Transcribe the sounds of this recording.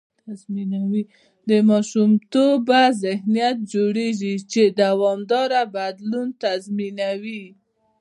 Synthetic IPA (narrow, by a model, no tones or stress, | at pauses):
t̪azminawi | d̪əmɑʃumt̪obazɪhnijat̪̚d͡ʒoɽeʒit͡ʃed̪awɑmd̪ɑɾabad̪lunt̪azminawi